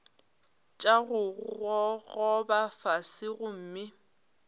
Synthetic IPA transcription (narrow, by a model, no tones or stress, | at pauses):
t͡ʃʼaɣʊɣɣɔɣɔbafasɪɣʊm̩ːmɪ